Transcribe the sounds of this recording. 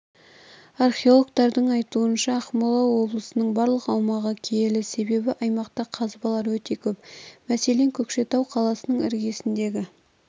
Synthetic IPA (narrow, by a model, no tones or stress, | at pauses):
arχʲeo̞lˠok̚t̪ɑɾd̪əɴɑjt̪uənʃɑːχmolˠɑwo̞blˠəsənəɴbɑɾlˠəqɑwmɑʁəkʲʰelɪse̞be̞bɪʔɑjmɑqt̪ɑqʰɑzbɑlˠɑɾwɵt̪e̞kʲʰɵpmæse̞le̞ŋkʲʰɵkʃe̞t̪ɑwqʰɑlˠɑsənəɴɪ̰ɾɡʲe̞sɪnd̪e̞ɡʲɪ